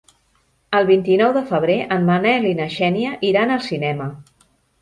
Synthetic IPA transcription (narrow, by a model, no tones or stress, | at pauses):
əlˠβint̪inɔwðəfəβ̞ɾeʔənmənɛlinəʃɛniəʔiɾanəlˠsinɛmə